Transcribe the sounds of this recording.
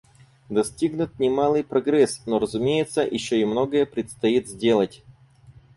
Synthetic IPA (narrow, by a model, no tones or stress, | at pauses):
d̪ɐsʲtʲiɡnʊt̪̚nʲɪmalˠɨjpɾɐɡɾɛsnoɾəzʊmʲejɪt̪səjʔɪɕːoɪmnoɡəjəpɾʲɪt̪st̪ɐit̪zʲdʲe̞lˠətʲ